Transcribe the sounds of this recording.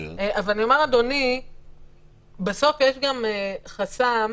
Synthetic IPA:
eʔavalanio̞meʁad̪o̞ni | beso̞fjeʃɡameχasam

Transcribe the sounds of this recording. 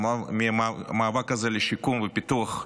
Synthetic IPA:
amimamaːvakːazeleʃikumvepit̪uaχ

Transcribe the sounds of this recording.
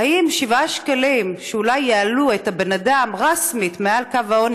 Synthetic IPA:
aʔimʃivaʃkalimʃeulajːealuethabenadamʁasmitmealkavaon

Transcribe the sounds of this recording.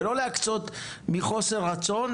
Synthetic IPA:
loleakt͡sot̪ | miχoseat͡son

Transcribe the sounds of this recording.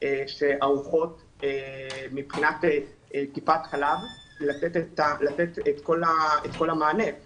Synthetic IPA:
eʃeʔauχo̞t | emipχinat̪e | kipat̪χalav | lat͡set̪et̪alat͡set̪et̪ko̞laet̪ko̞lamaːne̞

